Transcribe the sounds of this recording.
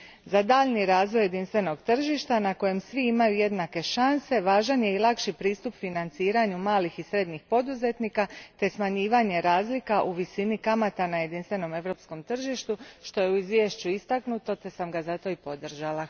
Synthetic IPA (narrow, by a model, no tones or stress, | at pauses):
zad̪aːʎniɾaːzʋo̞jːe̞d̪inst̪ʋe̞no̞ɡt̪r̩ʒiʃt̪anako̞je̞msʋiimajuje̞d̪nake̞ʃanse̞ʋaːʒanjeilˠakʃipɾiːst̪upfinant̪siːɾaɲumaːlixisɾe̞d̪ɲixpo̞d̪uze̞t̪niːkat̪e̞smaɲiːʋaɲe̞ɾaːzlikaʔuʋisinikamat̪anaje̞d̪inst̪ʋe̞no̞me̞ʋɾo̞ːpsko̞mt̪r̩ʒiʃt̪uʃt̪o̞je̞uizʋjeːʃt͡ɕuist̪aknut̪o̞t̪e̞samɡazat̪o̞ipo̞d̪r̩ʒalˠa